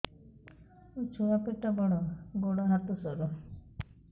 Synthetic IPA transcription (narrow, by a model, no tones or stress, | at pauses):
ut͡ʃʰuapeʈːabɔɽɔɡoɽɔɦat̪ɔsɔɾɔ